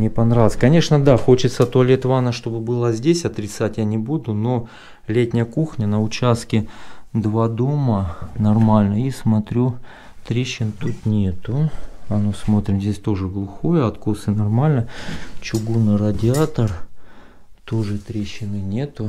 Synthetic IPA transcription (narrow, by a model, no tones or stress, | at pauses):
nʲɪpɐnɾavʲˠsʲkɐnʲe̞ʂnəd̪axo̞t͡ɕɪt̪sət̪oɐlʲet̪vanəʂt̪o̞bɨbɨlˠəzʲdʲesʲɐt̪ɾʲɪt̪satʲjanʲɪbud̪ʊno̞ | lʲetʲnʲɪjəkuxnʲənəʊt͡ɕast̪kʲɪd̪vad̪o̞mənɐrmalʲnəismɐt̪ɾʲu | t̪ɾʲeɕːɪnt̪ut̪nʲe̞t̪ʊɐnosmo̞t̪ɾʲɪmzʲdʲesʲt̪o̞ʐɨɡlˠʊxojəɐt̪kosɨnɐrmalʲnət͡ɕʊɡunɨrədʲɪat̪ər | t̪o̞ʐɨt̪ɾʲeɕːɪnɨnʲe̞t̪ʊ